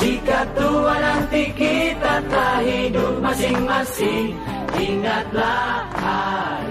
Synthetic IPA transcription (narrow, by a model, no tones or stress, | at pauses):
d͡ʒikat̪uanant̪ikit̪at̪aɦidup̚masiŋmasɪŋ | ʔiŋat̪̚laha